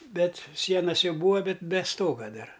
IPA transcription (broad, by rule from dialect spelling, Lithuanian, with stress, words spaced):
ˈbʲɛt ˈsʲiɛnɐs ˈjɛʊ ˈbuːʋɐ ˈbʲɛt bʲɛ ˈstoːɡɐ ˈdɐr